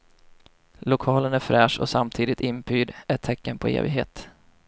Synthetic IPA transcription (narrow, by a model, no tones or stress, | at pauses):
lʊkʰɑːlənæɾfɾɛːʂɔ̰samt̪ʰiːd̪ɪt̪ɪnpʰyːd̪æʈʰːɛkːənpʰɔḛːvɪɡɦḛːt̪